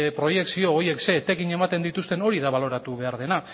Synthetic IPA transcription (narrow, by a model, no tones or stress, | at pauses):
pɾo̞je̞ksio̞ːje̞kse̞t̪ekiɲe̞mat̪e̞nd̪it̪ust̪e̞no̞ɾiðaβalo̞ɾat̪uβ̞e̞aɾð̞e̞na